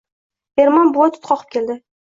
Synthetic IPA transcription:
eɾmɒnbʊwat̪ʰʊ̥t̪qʰɒqʰɨ̥p̚kʲʰe̞ld̪ɪ

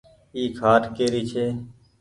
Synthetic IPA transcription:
iːkʰaːʈkeːɾiːt͡ʃʰeː

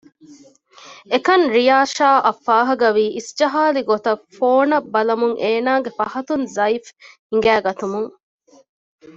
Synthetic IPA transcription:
ekɐnɾijaːʃaːʔɐfːaːɦɐɡɐʋiːʔisd͡ʒɐɦaːliɡot̪ɐfoːnɐbːɐlɐmuŋʔeːnaːɡefɐhɐt̪unzɐifhiŋɡæːɡɐt̪umuŋ

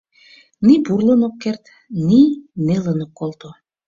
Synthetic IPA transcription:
niburlənokːert̪ | ninelənokːolt̪o

